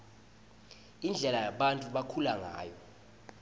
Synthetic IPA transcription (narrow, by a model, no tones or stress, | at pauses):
ind͡ɮʱɛlajaɓantʼuɓakʰulaŋa̰ːjɔ